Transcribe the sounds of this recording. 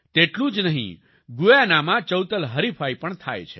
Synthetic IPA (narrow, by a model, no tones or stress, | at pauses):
t̪eʈlũd͡ʒnəɦḭ̃ | ɡujanamãt͡ʃəwt̪əlɦəɾipʰajpəɳt̪ʰa̰jt͡ʃʰḛ